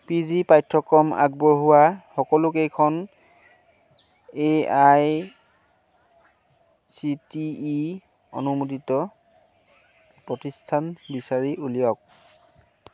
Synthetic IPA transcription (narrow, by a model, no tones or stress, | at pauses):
pizipajtʰːɔkɔma̰ɡ̚bɔɹɦuwaxɔkɔlʊkejkʰɔn | eaj | sitiː | o̰numutitɔ | pɹɔtistʰanbisaɹiʔulijɔk̚